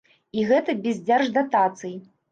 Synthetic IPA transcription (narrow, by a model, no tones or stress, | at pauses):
iɣɛt̪ɐbʲɛzʲd͡zʲarʐd̪at̪at̪sɨji